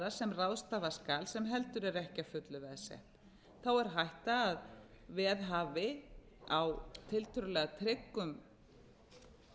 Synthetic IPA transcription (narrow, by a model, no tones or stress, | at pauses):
asɛmrawðst̪aːvaskaːlsɛmɦɛlt̪ʏɾɛɾɛhcafʏt̪lʏvɛðsɛ̰ht̪ | θawɛɾ̥ɦajht̪aːð | vɛːðɦaːvɪ | awt̪ʰɪlt̪ʰʏɾʏlɛːɣat̪ʰɾɪkːʏm